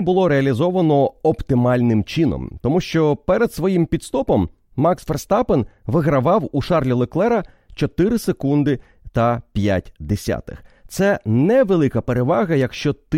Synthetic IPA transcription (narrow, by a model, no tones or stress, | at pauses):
bʊlˠɔɾeɐlʲizɔʋɐnɔɔpt̪ɪmɑlʲnɪmt͡ʃinɔ̰mt̪ɔmuʃt͡ʃɔpɛɾed̪sʋɔjimpʲit̪st̪ɔpɔmː | ɑksferst̪ɑpenʋɪɦɾɐʋɑwuʃɑrlʲilˠɔklˠɛɾɐ | t͡ʃɔt̪ɪɾɪsekund̪ɪ | t̪ɐpʲja̰tʲd̪esʲa̰t̪ɪ̥̰xt̪sɛnɛʋelˠɪkɐpeɾeʋɑɣɐjɐkʃt͡ʃɔt̪